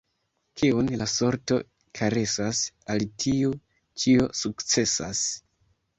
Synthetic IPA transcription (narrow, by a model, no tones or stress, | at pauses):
kʰiunlaso̞ɾto̞̰ | kʰaɾe̞sasaltʰiu | t͡ʃio̞sukt͡se̞sa̰s